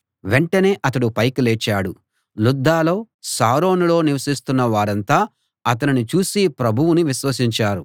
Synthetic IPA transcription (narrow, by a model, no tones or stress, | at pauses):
ʋe̞ɳʈɐne̞ːʔɐt̪ɐɽupɐjkuleːt͡ʃːaːɽu | lud̪ːaːlo̞ː | saːɾo̞ːnulo̞ːniʋɐsist̪unːɐʋaːɾɐnt̪aː | ɐt̪ɐninit͡ʃuːsipɾɐbʱuwuniʋiʃʋɐsiɲt͡ʃaːɾu